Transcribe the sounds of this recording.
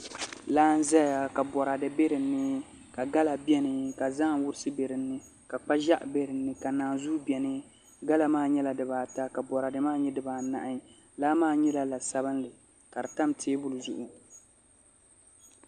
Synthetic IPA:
laː˦n̩˦zɛ˦ja˨ka˨bɔ˨ɾa˨dɨ˨be˦ɾɨ˨nːɨ˦ | ka˨ɡa˦la˨bjɛ˦nɨ˨ka˨za˦ʔwʊ˦ɾɨ˦sɨ˦be˨ɾɨ˨nːɨ˦ | ka˨k͡pa˦ʒa˦ʔbe˦ɾɨ˨nːɨ˦ka˨naː˨zuː˦bɛ˨nɨ˦ | ɡa˦la˨maː˦˨ɲɛ˦la˨dɨ˨baː˨ta˦ka˨bɔ˨ɾa˨dɨ˨maː˦ɲɛ˦dɨ˨baː˨na̰˨ʔa˦ | laː˦maː˦˨ɲɛ˦la˨la˨sa˦bɨ˦n˦lɨ˨ | ka˨dɨ˨ta˦mtʰeː˦bʊ˦lɨ˨zʊ˦ʔʊ˨

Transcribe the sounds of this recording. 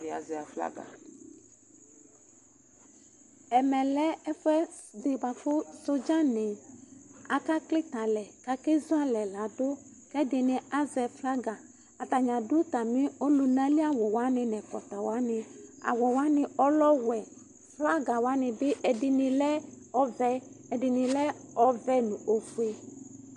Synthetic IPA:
ɪ˨a̰˨zɛ˨fla̰˦ɡa̰˨ | ɛ˨mɛ̃˨lɛ˦ɛ˦fɛ˦d̪ɪ˨ba˨fʊ˦so˦d͡ʒã˦nɪ̃˨ | a˨ka˦klɪ˦t̪a˨lɛ˨ka˦ke˦zu˦a˦lɛ˨la˨˦do˦ | kɛ˦dɪ˨nɪ̃˨a˦zɛ˨fla˦ɡa˨ | a˨t̪a˨ɲã˨dʊ˦t̪a˨mɪ̃˦o˦lu˨nã˦li˦a˨wɔ˨wa˦nɪ˨nɛ˨kɔ̰˨t̪a˨wa˦nɪ˨a̰˨wɔ˨wa˦nɪ˨ɔ˦lɔ˦wɛ˨ | fla˦ɡa˨wa˦nɪ˨bɪ˦ʔɛ˨dɪ˨nɪ˨lɛ˦ | ɔ˦vɛ˦ɛ˨dɪ˨nɪ̃˨lɛ˦ɔ˦vɛ˦nʊ̃˨o˨fu˦e˦

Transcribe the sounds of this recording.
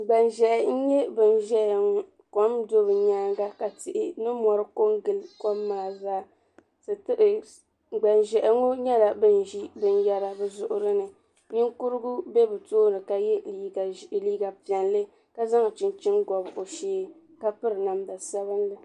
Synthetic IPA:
ɡ͡ba˨nʒɛ˨ʔɛ˨n̩˦ɲɛ˦bɨ˨n˦ʒɛ˦˨ŋ˦ | ko˦mdo˦bɨ˨ɲaː˦ŋɡa˦ka˨tɪ˨ʔɪ˦nɨ˦mɔ˨ɾɨ˦ko˦ŋɡɨ˦˨lko˦mːaː˨zaː˦ | tɨ˨tɨ˦ʔɨ˨ | ɡ͡ba˨nʒɛ˨ʔɛ˨ŋo˦ɲɛ˦la˨bɨ˦n˦ʒi˦bɨ˦n˦jɛ˦ɾa˨bɨ˦zʊ˦ʔʊ˦ɾɨ˦nɨ˨ | ɲɪ˦ŋkʊ˦ɾɨ˦ɡʊ˦bɛ˦bɨ˨toː˦nɨ˨ka˨jɛ˦˨liː˦ɡa˨pi˨ɛ˨nlɨ˦ | ka˦za˦ŋ˨t͡ʃɪ˨nt͡ʃɪ˦nɡɔ˨bʔo˨ʃeː˦ | ka˦pɨ˦ɾɨ˨na˨mda˨sa˦bɨ˦nlɨ˨

